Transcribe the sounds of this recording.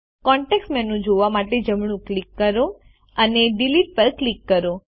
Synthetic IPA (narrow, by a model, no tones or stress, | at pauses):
kɔɳʈeksʈmɛnũd͡ʒoʋamaʈed͡ʒəmɳ̃ũklikːəɾo | əneɖiliʈ̚pəɾklikːəɾo